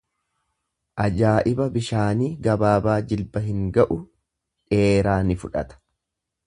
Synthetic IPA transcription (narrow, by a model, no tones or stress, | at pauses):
ʔɐd͡ʒaːʔɪbɐbɪʃaːniːɡɐbaːbaːd͡ʒɪlbɐɦɪŋɡɐʔʊ | ᶑeːɾaːnɪfʊᶑɐ̰t̪ɐ̥